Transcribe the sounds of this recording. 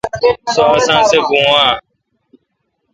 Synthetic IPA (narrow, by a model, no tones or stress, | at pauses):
soəsãːsebũːaː